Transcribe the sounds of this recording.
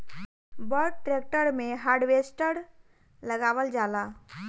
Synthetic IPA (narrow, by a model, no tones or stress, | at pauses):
bɔɾʈ̚ʈɾek̚ʈəɾmẽɦaːɾɖʋesʈəɾ | ləɡaːwəld͡ʒaːla